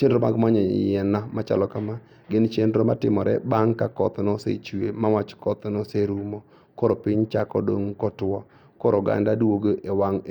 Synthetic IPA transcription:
t͡ʃendɾoma̰ɡmaɲɔ̰jɛnamat͡ʃa̰lɔkama | ɡɪnt͡ʃendɾomatɪmɔɾɛ̰baŋkakɔ̰t̪nɔsḛt͡ʃwemawat͡ʃkɔt̪nɔseɾumo | kɔɾopɪɲt͡ʃakɔ̰do̰ŋkɔtwɔ | koɾoɡa̰ndadoɡoʔewaŋ

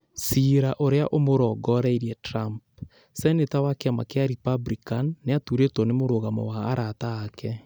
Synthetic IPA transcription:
siɾaʔoɾeaʔomoɾɔɡɔɾɛiɾiɛtɾamp | sɛnetawakeama̰keaɾipabɾikanːeatuɾetɔnemoɾoɣamɔ̰waːɾataːkɛ

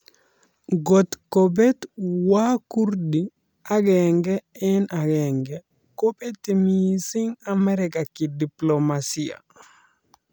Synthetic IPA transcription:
ɡɔt̪kobɛt̪wakuɾdi | aɡɛŋɡɛɛnaɡɛŋɡɛ | kobɛtːimisiŋamɛɾɛkakidiplomasia̰

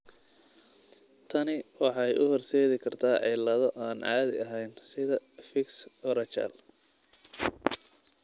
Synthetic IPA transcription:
t̪ʰɐnɪwɑħɑjʔʊhɔrsɛːðɪkʰɐrt̪ʰaːʕɪlɐðɔʔaːnʔɑ̰ːd̪ɪɐɦɛjnsɪðɐfɪksɔɾɐt͡ʃɐ̰l

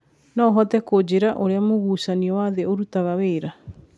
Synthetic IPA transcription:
nɔːɦɔtɛkod͡ʑeɾaʔoɾeamoɣuːsaniɔwaðeoɾutaɣaweːɾa

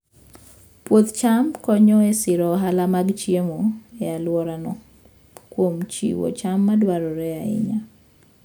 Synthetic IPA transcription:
pwot̪t͡ʃamkɔɲɔesɪɾɔɦalamaɡt͡ʃjemoealwɔɾanɔ | kwomt͡ʃḭwo̰t͡ʃamːadwaɾɔɾɛaɪ̰ɲa

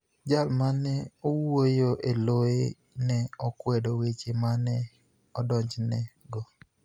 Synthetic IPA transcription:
d͡ʒalmanɛɔwojoʔeloe | nɛɔkwɛdowet͡ʃemanɛ | ɔdɔɲd͡ʒnɛɡɔ

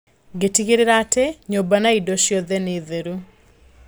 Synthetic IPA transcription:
ɡetiɡɪɾɪɾatɛɲobanaidoʃjoðɛnɪðeɾu

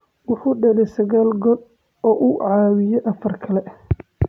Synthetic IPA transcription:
wɑħuːɖɐlɛjsɐɣaːlɡɔd̪ | ɔːʔʊʕɑːwɪjɛʔɐfɐrkʰɐlɛ

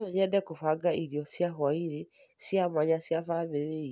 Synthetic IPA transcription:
ɔɲɛndɛkofaɡaiɾiɔsjaɦwaiɾesjamaɲasjafamiɾe

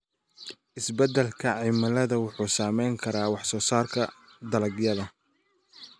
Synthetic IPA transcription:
ʔɪsbɐd̪ɛlkʰɐʕɪmɐlɐðɐwʊħuːsaːmɛjŋkʰɐɾaːwɑħsɔːsaːrkʰɐ | d̪ɐlɐɡjɐðɐ

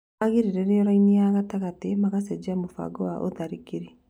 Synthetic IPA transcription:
aɣiɾiɾeɾeɔɾainiaɣataɣatemaɣasɛd͡ʒamofa̰ɡɔwaʔo̰ðaɾikiɾe

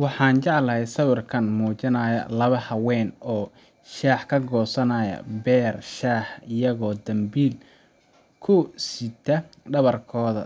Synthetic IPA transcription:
wɑħɑːnt͡ʃɑʕlɐɦɛjsɐwʊrkʰɐnmuːt͡ʃɪnɐːjɐ̰lɐβɐhɐwɛːnɔː | ʃaːħkʰɐɡɔːsɐnɐːjɐ̰bɛːrʃaːħɪjɐɣɔːd̪ɐmbiːl | kʰʊsit̪ʰɐɖɐβɐrkʰɔːðɐ̰

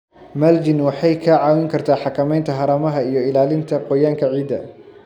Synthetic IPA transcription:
mɐld͡ʒɪnwɑħɑjkʰɐʕɑːwɪŋkʰɐrt̪ʰaːħɑkʰɐmɛjnt̪ʰɐɦɐɾɐmɐɦɐijɔɪlaːlɪnt̪ʰɐqɔjaːŋkʰɐʕiːd̪ɐ

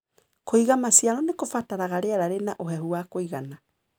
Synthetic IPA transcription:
kʰoiɣamasjaɾɔnekofataɾaɣaɾeaɾaɾenaʔoɦɛhuwakoiɣana

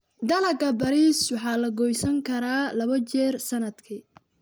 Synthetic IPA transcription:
d̪ɐlɐɡɐbɐɾiːswɑħɑːlɐɡɔjsɐŋkʰɐɾaːlɐβɐt͡ʃɛːrsɐnɐd̪kʰi

